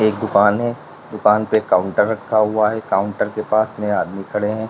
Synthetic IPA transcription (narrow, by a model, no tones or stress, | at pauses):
eːkd̪ʊkaːnɦɛ̃ | d̪ʊkaːnpekaːʊ̃ɳʈəɾːɐkʰːaɦʊaɦɛkaːʊ̃ɳʈəɾkepaːsneaːd̪mikʰɐɽeɦɛ̃ː